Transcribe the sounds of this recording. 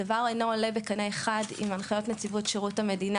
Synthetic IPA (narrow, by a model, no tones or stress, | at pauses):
avaʁajnoole̞bekaneeχadḭmanχajo̞tnet͡sivutʃeʁuthame̞dina